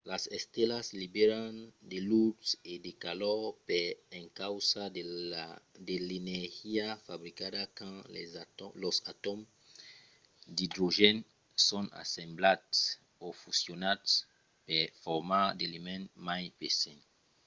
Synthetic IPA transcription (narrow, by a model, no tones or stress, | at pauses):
lasɛst̪elaslibeɾand̪elutsed̪ekalɔɾpɛẽŋkawsa | d̪eleneɾhiafabɾikadakã | lɔsat̪om | d̪id̪ɾoʒɛn | sõna̰sẽmblat̪s | ofusjonat | pɛfɔɾmad̪elimɛ̃nmajpesẽn